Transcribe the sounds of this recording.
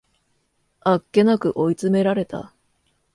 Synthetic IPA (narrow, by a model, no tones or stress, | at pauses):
akːe̞nakɯ̟ʔo̞it͡sɨme̞ɾaɾe̞t̪a̰